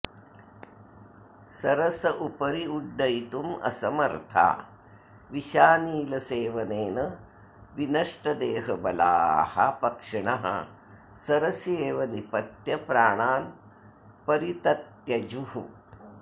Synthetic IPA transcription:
sɐɾɐsɐʔupɐɾiuɖːɐjt̪umɐ̰sɐmɐɾt̪ʰa̰ː | ʋiʃaːniːlɐseːʋɐneːnɐ | ʋinɐʂʈɐd̪eːɦɐbɐla̰ːhɐ̰pɐkʂɐɳɐɦɐ̰ | sɐɾɐsjeːʋɐnipɐt̪jɐpɾaːɳaːn | pɐɾit̪ɐt̪jɐd͡ʒuhu

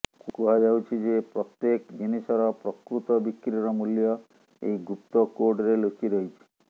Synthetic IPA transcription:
kukuɦad͡ʒawt͡ʃʰid͡ʒepɾɔt̪jekd͡ʒenisɔɾɔpɾɔkɾut̪ɔbikɾiɔɾɔmuljɔ | ḛjɡup̚t̪ɔkoɾɖɾelosiɾɔɦit͡ʃʰi̥

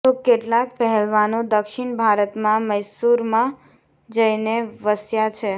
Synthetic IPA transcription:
t̪okeʈlak̚pɛɦɛlʋanũd̪əkʃɪɳbʱaɾət̪mãməjsuɾmã | d͡ʒəineʋəsjat͡ʃʰe

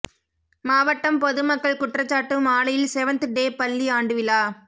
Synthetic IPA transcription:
maːʋɐʈːɐmpɔðɯmɐkːɐɭkʊʈrɐt͡ʃːaːʈːɯmaːɭɐjɪlsɛʋɐnt̪ɖeːpɐlːiaːɳɖɯʋɪlaː

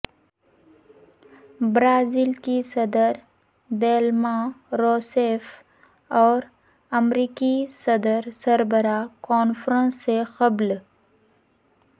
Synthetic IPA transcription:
bɾaːzilkisəd̪əɾ | d̪eːlmãɾoːseːf | ɔːɾ | əmɾiːkisɐd̪əɾsəɾbəɾakɔːnfɾə̃nsːexɐbl

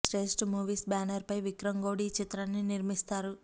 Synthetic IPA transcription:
ɾeːsʈmuːʋiːsbaːnɐɾpɐjʋikɾɐŋɡoːɽit͡ʃit̪ɾanːiniɾmist̪aːɾu

